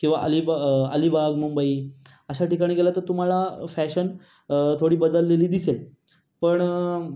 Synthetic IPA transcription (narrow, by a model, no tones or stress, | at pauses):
kĩw̃ʋa̰ʔəlibaə̰libaɡmumbəi | əɕaʈikaɽ̃iɡelat̪əɾt̪um̤alafæɕən | t̪ʰoɽiːbəd̪əlːeliːd̪isel | pəɳ